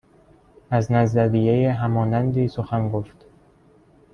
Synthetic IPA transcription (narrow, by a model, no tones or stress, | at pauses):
æznæzd̪æɾijejeɦæmɒːnænd̪iːsoxænɡoft̪